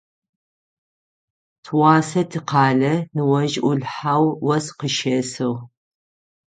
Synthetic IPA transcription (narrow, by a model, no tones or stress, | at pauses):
tʰwɑːsɐtʰɨqɑːɮɐnɨwɐʒʔʷʊɮħawwɐsqəʃɐsɨw